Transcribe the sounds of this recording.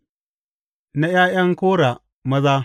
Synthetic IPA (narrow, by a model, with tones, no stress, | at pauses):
na˦jaː˦jɐ˦ŋkoː˦ɽa˨ | mɐ˦zaː˦